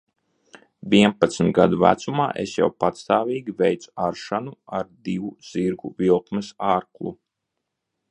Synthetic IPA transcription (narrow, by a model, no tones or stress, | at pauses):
vʲiɛmpat̪smʲt̪̚ɡad̪uvæ̰t̪suma̰ːʔḛsja̰wpat̪st̪aːvʲiːɡʲivɛjt̪su̥aɾʃanuaɾd̪ivuz̥iɾɡuvilˠkmɛsaːɾklˠṵ